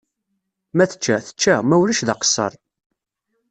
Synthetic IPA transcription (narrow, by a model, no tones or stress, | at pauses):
mæθə̥t͡ʃːæθə̥t͡ʃːæmæwlæʃðɑqə̥sːə̰ɾˤ